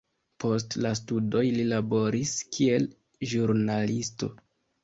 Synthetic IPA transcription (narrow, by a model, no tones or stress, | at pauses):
po̞stlastudo̞jlilabo̞ɾiskʰie̞l | ʒuɾnalisto̞̰